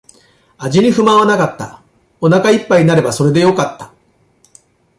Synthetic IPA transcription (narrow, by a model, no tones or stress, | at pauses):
aʑiɲ̟iɸɯ̟mãβanakat̪ːa̰ | o̞nakaipːaiɲ̟inaɾe̞baso̞ɾe̞d̪e̞jo̞kat̪ːḁ